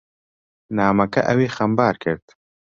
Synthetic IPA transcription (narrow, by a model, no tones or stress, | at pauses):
naːmɐkɐ̰ʔɐweːxɐmbaːɾkɨɾt̪